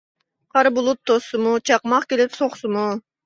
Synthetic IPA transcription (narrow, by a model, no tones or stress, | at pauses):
qʰɑɾbulˠup̚t̪ʰːosumut͡ʃʰɑqmɑqkʲelep̪soqsumu